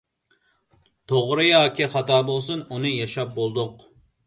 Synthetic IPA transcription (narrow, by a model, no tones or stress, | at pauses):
t̪ʰoʁɾɨjɑːkʲʰiχɑt̪ɑːbolˠsununɨjɑʃɑp̚bolˠd̪ʊq